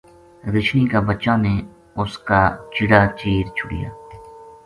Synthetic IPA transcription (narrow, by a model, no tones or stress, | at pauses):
ɾɪt͡ʃʰniːkabət͡ʃãːne | ʊskaːt͡ʃɪɽaːt͡ʃiːɾt͡ʃʰʊɽḭja̰ː